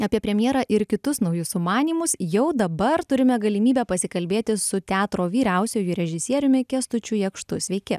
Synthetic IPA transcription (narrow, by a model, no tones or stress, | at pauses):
ɐpʲiɛpʲɾʲɛmʲjeɛɾɑːʔɪɾkʲɪt̪ʊsnɐʊjʊsʊmɑːnʲiːmʊsjɛʊd̪ɐbɐɾt̪ʊɾʲɪmʲɛɡɐlʲɪmʲiːbʲɛpɐsʲɪkɐlʲbʲeːt̪ʲɪsʊt̪ʲæːt̪ɾoːʋʲiːɾʲɛʊsʲoːjʊɾʲɛʒʲɪsʲiɛɾʲʊmʲɪkʲɛst̪ʊt͡ʃʲujɛkʃt̪ʊ̰sʲʋʲɛɪkʲɪ